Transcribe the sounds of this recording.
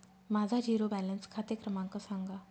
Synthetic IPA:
mad͡zʱad͡ʑiɾobælənskʰat̪ekɾəmãŋkəsaŋɡa

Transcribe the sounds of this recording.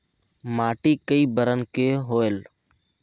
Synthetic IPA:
maːʈiːkəiːbəɾənkeːɦoːel

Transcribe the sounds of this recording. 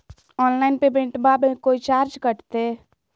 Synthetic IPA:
ɔːnlaɪnpebẽɳʈbabekoit͡ʃaːɾd͡ʒkəʈt̪e

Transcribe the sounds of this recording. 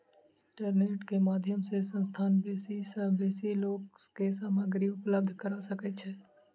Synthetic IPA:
ɪɪ̃ɳʈəɾneːʈkemaːd̪ʱjəmsesə̃nst̪ʰaːnbeːsisəbeːsiloːkkesaːməɡɾiʊpləb̚d̪ʱkəɾasəkɛt͡ʃʰɛː

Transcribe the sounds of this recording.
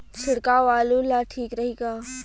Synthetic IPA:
t͡ʃʰɪɽkaʋaːlulaʈʰiːkɾɐɦiːkaː

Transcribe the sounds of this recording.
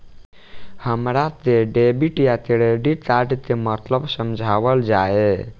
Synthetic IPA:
həmɾat̪eɖebiʈjat̪eɽeɖit̪aʈt̪emət̪ləbsəmd͡ʒʱabəld͡ʒae

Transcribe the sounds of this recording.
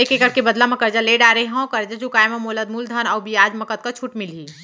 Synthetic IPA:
ekekəɾkebəd̪lamẽkəɾd͡ʒaleɖaɾəɦãwkəɾd͡ʒat͡ʃukaːjmemoləd̪̚muld̪ʱənɔːbijad͡ʒməkət̪̚kat͡ʃʰuʈmilɦi

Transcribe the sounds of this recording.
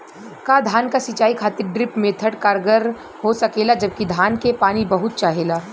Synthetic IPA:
kaːd̪ʱaːnkasit͡ʃaːikʰaːt̪ɪɾɖɾɪpmẽt̪ʰəʈkaːɾɡəɾ | ɦosɐkeːlad͡ʒɐb̚kid̪ʱaːnkepaːnibɐɦʊt̪̚t͡ʃaːɦeːlaː

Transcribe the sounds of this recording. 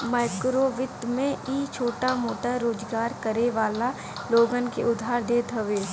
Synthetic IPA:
mɛːkɾoːʋɪt̪mẽʔiːt͡ʃʰoːʈamoːʈaɾoːd͡ʒɡaːɾkəɾeʋaːla | loːɡənkeʔʊd̪ʱaːɾd̪eːt̪ɦɐʋeː

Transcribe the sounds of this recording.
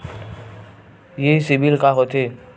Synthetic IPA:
jesɪbilkaːɦot̪ʰeː

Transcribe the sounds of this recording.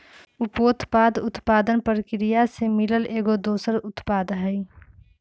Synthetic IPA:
ʊpoːt̪paːd̪ʊt̪paːd̪ənpəɾkɾijasemɪləleːɡod̪oːsəɾʊt̪paːd̪ɦɛi

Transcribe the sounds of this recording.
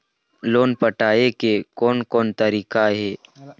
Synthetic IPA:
loːnpəʈaːekekɔːnkɔːnt̪əɾiːkaɦɛː

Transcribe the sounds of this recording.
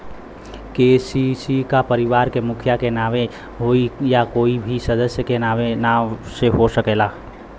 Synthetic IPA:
keːsisikapəɾɪʋaːɾkemʊkʰjakenaːʋe | ɦoijakoːibʱisəd̪əsjəkenaːʋenaseɦosəkeːlaː

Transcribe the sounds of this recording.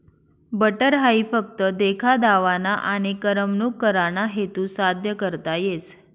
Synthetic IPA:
bəʈəɾɦaifəkt̪əd̪ekʰad̪aʋanaʔaɽ̃ikəɾəmnukːəɾanaɦet̪ũsad̪ʱjəkəɾt̪ajet͡s

